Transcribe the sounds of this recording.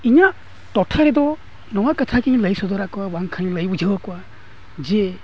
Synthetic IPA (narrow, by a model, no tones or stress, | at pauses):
iɲa | tɔtʰaɾed̪ɔ | nɔwakatʰakiɲləjsɔd̪ɔɾakɔwabaŋkʰanləjbɔd͡ʒəwakɔwa | d͡ʒe